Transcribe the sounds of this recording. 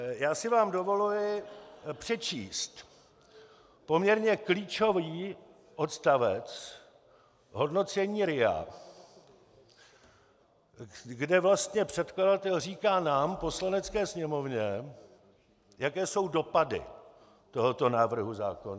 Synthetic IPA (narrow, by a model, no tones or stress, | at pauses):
jaːsɪvaːmdo̞vo̞lujɪpr̥ɛt͡ʃiːst̪ | po̞mɲɛɾɲɛkliːt͡ʃo̞viː | ʔo̞t̪st̪avɛt͡s | ɦo̞dno̞t͡sɛɲiːɾɪa̰ | ɡdɛvlast̪ɲɛpr̥ɛt̪kladat̪ɛlriːkaːnaːmpo̞slanɛt͡skɛːsɲɛmo̞vɲɛ | jakɛːso̞wdo̞padɪ̰ | t̪o̞ɦo̞t̪o̞naːvr̩ɦuzaːkon